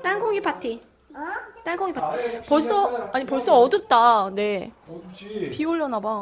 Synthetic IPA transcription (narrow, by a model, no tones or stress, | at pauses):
t͈anɡʰoŋipʰatʰi | t͈anɡʰoŋipʰatpʌɭs͈ʌaɲipʌɭs͈ʌʌdɯp̚t͈ane̞ | pioʎːʌnaba